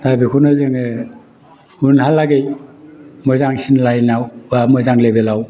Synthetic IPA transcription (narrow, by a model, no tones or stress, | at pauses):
tabikʰunɯzɯŋe | unhalaɡej | mɯzaŋsinlajnawbamɯzaŋlebelaw